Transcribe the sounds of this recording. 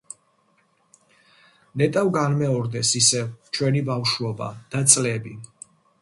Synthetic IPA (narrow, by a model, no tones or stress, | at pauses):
nɛt̪ʼavɡanmɛɔɾd̪ɛsisɛvt͡ʃʰwɛnibafʃuɔba̰d̪̥at̪sʼlɛbi